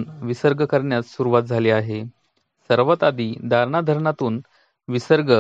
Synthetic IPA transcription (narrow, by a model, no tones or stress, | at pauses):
nʋisəɾɡəkəɾɳjat͡ssuɾuʋat̪̚d͡zʱaliːaɦe | səɾʋət̪ad̪iːd̪ʱaɾɳad̪ʱəɾɳat̪uːn | ʋisəɾɡə